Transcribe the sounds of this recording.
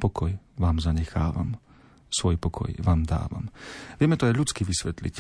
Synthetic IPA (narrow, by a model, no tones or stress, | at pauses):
pɔkɔjʋaːmzaɲɛxa̰ːʋa̰m | sʋɔjpɔkʰɔ̰jʋaːmd̪a̰ːʋa̰mʋɪɛmɛt̪ɔajʎut͡skiʋisʋɛt̪lḭc